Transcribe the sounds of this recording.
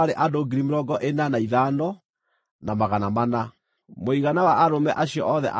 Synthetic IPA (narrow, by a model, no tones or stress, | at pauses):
aɾeʔadoɡiɾimeɾɔɡɔʔenanaiðanɔ | namaɣanamana | moiɣanawaʔːɾomɛʔaɕiɔ̰ʔɔðɛ̰ʔa